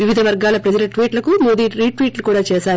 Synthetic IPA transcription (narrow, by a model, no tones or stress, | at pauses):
ʋiʋid̪ʱɐʋɐɾɡaːlɐpɾɐd͡ʒɐlɐʈʋiːʈlɐkumoːd̪iːɾiːʋiːʈlukuːɽaːt͡ʃeːsaːɾu